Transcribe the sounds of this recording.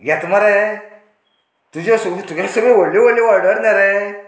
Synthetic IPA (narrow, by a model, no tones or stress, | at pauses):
ɡɛtumaɾɛ | tud͡ʒosutuɡesubewolːiwoliwadɔɾnɛɾɛ